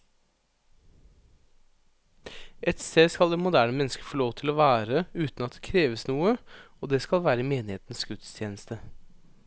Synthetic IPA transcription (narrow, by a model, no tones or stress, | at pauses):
ɛt̪st̪eːskɑld̪eːmʊd̪æːɳəmɛnskəfɔɭoːʋt̪ʰɪlɔʋæːɾəʉːt̪n̩ɑt̪̚d̪ɛkʰɾeːʋəsnuːəoːd̪eːskɑlʋæːɾəmeːnɪheːt̪n̩sɡ̥ʉt̪st̪ʰjeːnəst̪ʰə